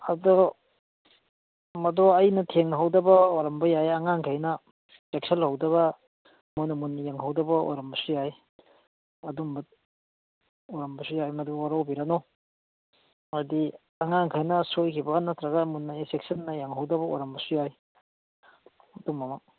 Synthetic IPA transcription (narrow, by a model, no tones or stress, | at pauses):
ɐdo | mɐdɔɐjnɐtʰeŋnɐɦawdɐbɐoɾɐmbɐjajɐŋaŋkʰajnɐ | sek̚sɐnhawdɐβɐ | munɐmunːɐjaŋɦawdɐbɐo̰ɾɐmbɐsujaj | ɐdumbat̚ | oɾɐmbɐsujajmɐdowaɾawbiɾano | adi | aŋaŋkʰajnɐsojkʰibɐnatɾɐɡɐmunːɐesek̚sɐnːɐjaŋɦawdɐbɐo̰ɾambɐsujaj | ɐdumːɐma